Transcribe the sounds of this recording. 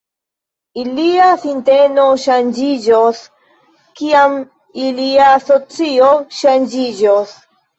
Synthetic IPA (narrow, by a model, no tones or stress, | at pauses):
iliasinte̞no̞ʃand͡ʒid͡ʒos | kiam | iliaso̞t͡sio̞ʃand͡ʒid͡ʒos